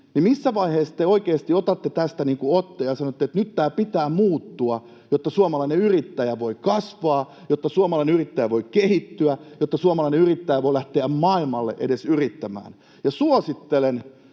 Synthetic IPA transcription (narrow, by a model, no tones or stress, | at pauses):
nimisːæʋɑiheːst̪eoikeːst̪iot̪ɑt̪ːet̪æst̪æniːŋkuot̪ːejɑsɑnot̪ːet̪nyt̪t̪æːpit̪æːmuːt̪ːuɑ | jot̪ːɑsuomɑlɑineyrit̪ːæjæʋoikɑsʋɑː | jot̪ːɑsuomɑlɑineyrit̪ːæjæʋoikehit̪ːyæjot̪ːɑsuomɑlɑineyrit̪ːæjæʋoilæht̪eæmmɑilmɑlːḛʔḛdesyrit̪ːæmæ̰ːn | jɑsuosit̪ːelen